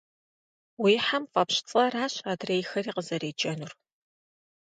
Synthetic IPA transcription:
wiːħamfɐpɕt͡sʼɐraːɕaːdreːjxɐriːqəzɐrɾeːd͡ʒʼɐnur

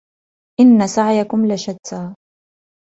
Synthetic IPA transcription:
ʔɪnːasaʕjakʊmlaʃad̪aː

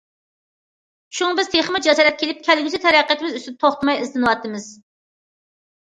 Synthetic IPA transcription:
ʃuŋbɪzt̪ʰeχmɨd͡ʒɛsɑɾɛt̪̚kʰʲelɪp̚kʲʰælɡʲysɪt̪ʰɛɾæqːæt̪ʰɪmɪzysɪn̚t̪ʰoχt̪ɨmɑjɪzlɨnɨwɑt̪ʰːɨmɪz̥

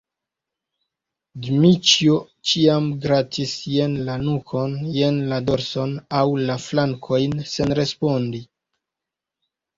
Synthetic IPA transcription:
dmit͡ʃjo | t͡ʃiamɡɾatʰisjenlanukʰo̞njenlado̞ɾso̞nawlaflaŋkʰo̞jnse̞nɾe̞spo̞ndi

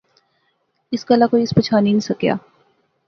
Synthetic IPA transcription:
ɪskalakoiɪspət͡ʃʰaːninisɐkja̰ː

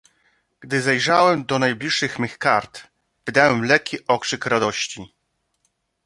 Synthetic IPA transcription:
ɡ̥d̪ɘzɛjʐawɛmd̪ɔnajblʲiʂːɘxmɘxkaɾt̪ | vɘd̪awɛmlɛkʲːiʔɔkʂɘkɾad̪ɔɕt͡ɕi

